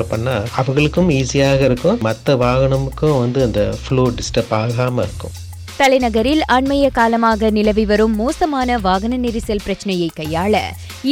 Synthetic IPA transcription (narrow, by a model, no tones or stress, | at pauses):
ɐpːɐɳːaːɐʋɐɣɐɭɯkːɯmiːsɪjaːɣɐɪɾɯkːʊ̃mɐt̪ːɐʋaːɣɐɳɐmɯkːɯ̃ʋɐnd̪ɯɐnd̪ɐfɭoːɖɪsʈɐpaːɣaːmɐɪɾɯkːɯ̰̃m | t̪ɐlɐɪnɐɣɐɾɪlɐɳmɐjɐkaːlɐmaːɣɐnɪlɐʋiʋɐɾɯmːoːsɐmaːnɐʋaːɣɐnɐnɪɾɪsɐlpɪɾɐt͡ʃːɐnɐjɐɪkːɐjːaːɭɐ̰